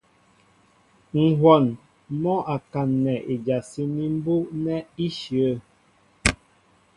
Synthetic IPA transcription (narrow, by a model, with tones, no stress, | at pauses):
ŋ̩˨ɦwɔ˨n | mɔ˦ʔa˨ka˨nːɛ˨ʔe˨d͡ʒa˨si˦ni˦m̩˦bu˦nɛ˦i˦ʃə˦